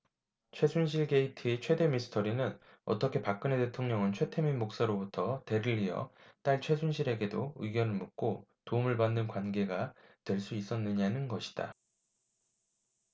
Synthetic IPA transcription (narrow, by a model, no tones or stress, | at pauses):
t͡ɕʰwe̞sʰunɕʰiɭɡe̞itʰit͡ɕʰwe̞de̞misʰɯ̥tʰʌɾinɯn | ʌ̰t͈ʌkʰe̞pak̚k͈ɯne̞te̞tʰoŋɲʌŋɯnt͡ɕʰwe̞tʰe̞minmok̚s͈aɾobutʰʌte̞ɾɯʎːijʌ̰t͈aɭt͡ɕʰwe̞s̬ʰunɕʰiɾe̞ɡe̞douiɡjʌnɯɭmuk̚k͈otoumɯɭbanːɯnkwanɡe̞ɡatwe̞ɭs͈uis͈ʌnːɯɲanɯnɡʌɕʰi̥d̥a̰